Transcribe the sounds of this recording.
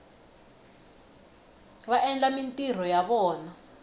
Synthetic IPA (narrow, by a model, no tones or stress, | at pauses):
βaʔɛnd͡ɮʼamintʼir̤ɔjaɓɔːna